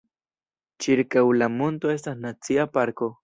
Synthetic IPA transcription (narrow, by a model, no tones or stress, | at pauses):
t͡ʃiɾkawlamʊnt̪oes̬t̪anat͡siapaɾko